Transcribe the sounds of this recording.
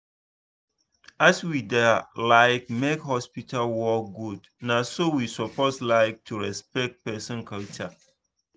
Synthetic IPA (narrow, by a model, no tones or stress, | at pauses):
aswidɛlaɪkmekhɔspitʰalwɔk̚ɡud | nasowisɔpʰoslaɪk̚tʰuɹɛspɛk̚t̚pɛsɔ̃nkʰalt͡ʃa